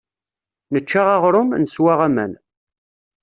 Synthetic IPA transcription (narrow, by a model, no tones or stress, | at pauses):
nət͡ʃːaʁaʁɾʊmnəswaʁæmæ̰n